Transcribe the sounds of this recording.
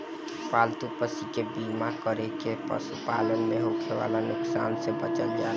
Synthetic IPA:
palt̪upəsikebimakəɾekepə̰supalənmeɦokʰeʋa̰lanuksa̰nsẽbət͡ʃəld͡ʒa

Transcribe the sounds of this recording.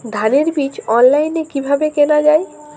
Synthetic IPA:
d̪ʱaneɾbit͡ɕɔnlajnekibʱabekenad͡ʑae

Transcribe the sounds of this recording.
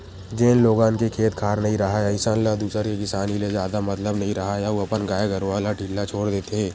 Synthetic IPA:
d͡ʒeːnloːɡãːnkekʰeːt̪kʰaːɾnɐɦĩɾɐɦajaɪsaːnlad̪uːsəɾkekɪsaːnilezjaːd̪amɐt̪ləbnɐɦĩɾɐɦajaoɐpənɡaːjaɡəɾʋalaʈiːlːat͡ʃʰoːɽd̪eːt̪eɦɛ̃ː

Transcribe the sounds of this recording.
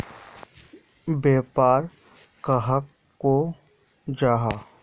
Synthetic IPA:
beːpaːɾ | kəɦəkː | o | d͡ʒaːɦaː

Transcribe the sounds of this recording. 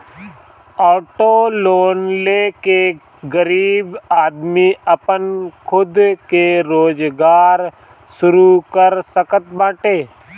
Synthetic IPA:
ɔːʈoːloːnleːke | ɡəɾiːbaːd̪miəpənkʰʊd̪keɾoːd͡ʒɡaːɾ | sʊɾukəɾsəkət̪̚bãːʈeː

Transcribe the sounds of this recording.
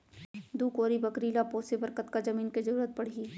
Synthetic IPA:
d̪uːkoːɾibɐkɾiːlapoːsebɐɾkət̪kad͡ʒɐmiːnkezɐɾuːɾət̪̚pɐɽ̤iː

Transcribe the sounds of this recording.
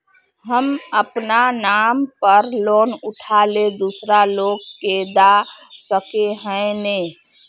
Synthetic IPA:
ɦəməpnanampəɾlonʊʈʰaled̪usɾaloɡked̪asəkeɦə̃ne

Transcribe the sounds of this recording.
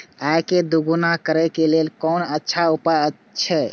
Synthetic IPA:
ajked̪uɡunakəɾɛkelelkɔnətːʃʰaupəə | ʃʰɛ

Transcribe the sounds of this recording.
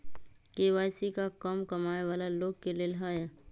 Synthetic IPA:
keːwaːjsikakɔmkɐmaːeʋaːlaloːɡ̚kelielɦaːjɛ

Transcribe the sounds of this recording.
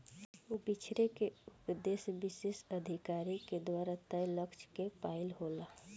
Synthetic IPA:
ubit͡ʃʰɾekeupd̪esbisesəd̪ʱikaɾiked̪waɾat̪əjləkt͡ʃkepaɪlɦola

